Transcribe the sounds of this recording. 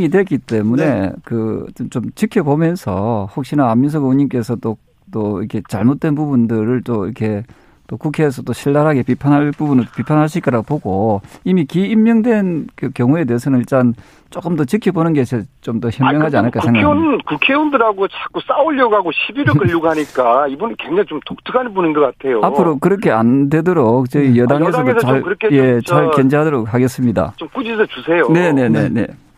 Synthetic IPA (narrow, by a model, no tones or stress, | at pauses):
ŋidwe̞k͈it͈e̞mune̞̰kɯ̰tnt͡ɕomt͡ɕikʰjʌbomjʌnsʰʌhok̚ɕ͈inaːmːinsʰʌɡuɲimk͈e̞sʰʌt͈o | t͈oḭɾkʰe̞t͡ɕa̰ɭmot̚t͈we̞npubundɯɾɯɭt͈oḭɾʌkʰe̞ | t͈okukʰeːs̬ʰʌt͈oɕʰiɭdaɾɦaɡe̞pipʰanɦaɭpubunɯɭt͈opipʰanɦaɕʰik͈aɾaɡopoɡoimikiːmːjʌŋdwe̞nkɯkjʌŋue̞de̞ːs̬ʰʌnɯniɭt͈an | t͡ɕok͈ɯmdʌt͡ɕɯkʰibonɯnɡesʰet͡ɕomtoçjʌmjʌŋɦad͡ʑianɯɭkasʰeŋɡaennkukʰeundɯɾaɡot͡ɕʰak͈us͈auʎjoɡaɡoɕʰibiɾɯkɯʎːuɡɦaɲik͈aibunɯnkweŋd͡ʑaŋit͡ɕomtok̚tʰɯkʰanbonɯnɡʌkatʰe̞joapʰɯɾokɯɾʌkʰe̞ande̞doɾok̚t͡ɕʌijʌdaŋes̬ʰʌŋdot͡ɕaɭkʰje̞t͡ɕaɭkend͡ʑeɦadoɾok̚haɡe̞s͈ɯmɲida̰t͡ɕomkud͡ʑis̬ʰʌt͡ɕusʰejone̞ne̞nḛne̞̰